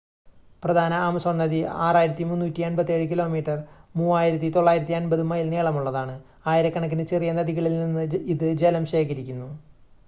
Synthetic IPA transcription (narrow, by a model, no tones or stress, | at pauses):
prɐd̪ʱaːnɐamɐsɐnɐd̪iaːraːjiɾɐt̪ːimunːuːtːiɐnbɐt̪ːe̞ɻɨk̬ilo̞ːmiːʈːɐrmuːaːjiɾɐt̪ːit̪o̞ɭːaːjiɾɐt̪ːiɐnbɐðumɐjilneːɭɐmuɭːɐðaːɳɨ | aːjiɾɐkːɐɳɐkːinɨt͡ɕerijɐnɐd̪ʱiɣɐɭilninːɨiðɨd͡ʑelɐmɕe̞ːkɐɾikʲːunːu